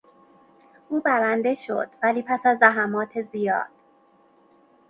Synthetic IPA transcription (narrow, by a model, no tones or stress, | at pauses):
ʔuːbæɾænd̪e̞ʃo̞̰d̪̥væliːpʰæsæzd̪æɦæmɒːt̪ʰezijɒ̰ːd̪̥